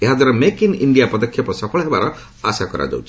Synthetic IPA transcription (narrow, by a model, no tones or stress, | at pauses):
eɦad̪ʱwaɾɔmekinḭɳɖijapɔd̪ɔkʰjɔpɔsɔpʰɔɭɦebaɾɔ | asakɔɾa̰d͡ʒa̰wt͡ʃʰi